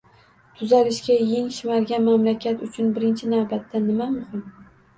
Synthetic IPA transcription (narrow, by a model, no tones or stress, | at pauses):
t̪ʰʊzalɪʃkʲajeŋʃɪmaɾɡʲanmamlakʲʰat̪ʊt͡ʃʰʊnbɪɾɪnt͡ʃʰɪnavbat̪ːanɪmamʊhɪm